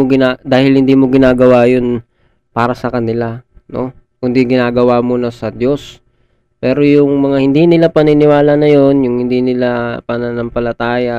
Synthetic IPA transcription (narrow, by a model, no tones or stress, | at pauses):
oɡɪnaːd̪aːhɪlhɪnd̪iːmo̞ɡɪnaːɡɐwajo̞n | paːɾɐsɐkɐnɪlano̞̰ | kʊnd̪iɡɪnaːɡɐwamonɐsɐd̪jo̞s | pɛːɾo̞jʊŋmɐŋahɪnd̪iːnɪlapɐnɪnɪwaːlɐnɐjo̞njʊŋhɪnd̪iːnɪlapɐnɐnɐmpɐlɐt̪aːjɐ